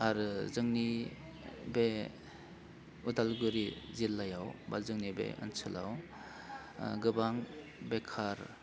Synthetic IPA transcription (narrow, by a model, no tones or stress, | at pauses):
aɾɯzɯŋni | be | udalɡuɾizilːajawbazɯŋnibḛɯ̰nsʰɯla̰w | ɡɯbaŋ | bekʰaɾ